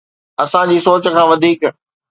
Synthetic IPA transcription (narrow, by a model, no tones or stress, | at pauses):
ɐsãd͡ʑiːsoːt͡ɕəkʰãːʋɐd̪ʱiːk